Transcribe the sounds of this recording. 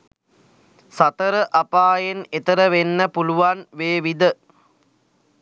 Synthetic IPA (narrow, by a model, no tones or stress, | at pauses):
sɐt̪əɾəʔɐpaːjenet̪əɾəʋenːəpuluʋanʋeːʋid̪ə